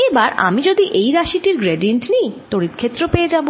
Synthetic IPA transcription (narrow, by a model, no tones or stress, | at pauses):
ebaɾa̰mid͡ʑod̪iʔejɾaʃiʈiɾɡɾeɖieɳʈnejt̪oɾit̪kʰet̪ːɾopeed͡ʑabo